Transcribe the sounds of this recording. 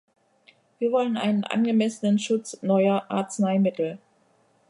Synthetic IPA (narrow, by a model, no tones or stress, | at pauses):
viːɐvɔlənʔa̰ɪnənʔa̰nɡəmɛsənənʃʊt͡snɔʏɐʔa̰ɐt͡snaɪmɪtl̩